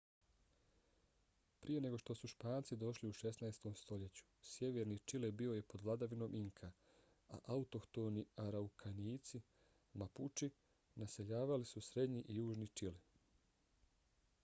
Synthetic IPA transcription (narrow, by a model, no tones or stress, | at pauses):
pɾʔije̞ne̞ɡo̞ʃt̪o̞suʃpaːnt̪sid̪o̞ʃliuʃe̞snaest̪o̞mst̪o̞ʎe̞t͡ɕu̥sje̞ʋe̞ɾnit͡ʃilɛbio̞je̞po̞d̪ʋlad̪aʋino̞ːmʔiŋkʰa | a̰ʔaut̪okt̪oniaɾaukʰaniːt̪si | maput͡ʃi | nase̞ʎaːʋalisusɾe̞d̪ɲiʔijuːʒnit͡ʃili